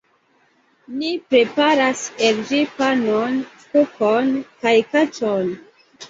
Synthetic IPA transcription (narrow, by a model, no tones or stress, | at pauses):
nipɾepaɾaseld͡ʒipanon | kukonkajkat͡ʃon